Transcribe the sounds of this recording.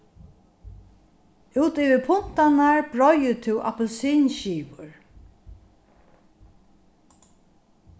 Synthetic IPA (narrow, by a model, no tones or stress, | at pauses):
uːt̪iːvɪpʰʊn̥t̪anaɹbɹɔjət̪ʰɪwʔa̰pɛlsiːnʃiːvʊɹ